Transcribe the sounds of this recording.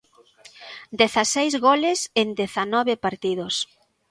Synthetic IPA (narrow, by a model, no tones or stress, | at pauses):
d̪eθasejzɣɔlɪsend̪eθanɔβɪpaɾt̪iðos